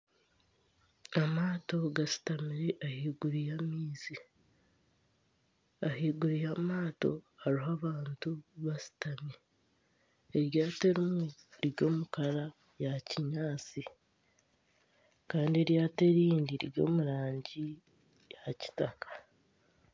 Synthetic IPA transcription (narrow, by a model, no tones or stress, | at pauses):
amaːto̞ɡasi̥tamiɾe̞ʔahiːɡuɾijamiːzi | aɦiːɡuɾijamaːto̞̰haɾiɦaβaːntuβasi̥tamie | ɾjaːte̞ɾimweɾiɾjo̞ːmukaɾa | jaciɲaːt͡si | kaːndie̞ɾjaːte̞ɾiːndiɾiɾjo̞̰ːmuɾaːɲɟi | jaci̥takḁ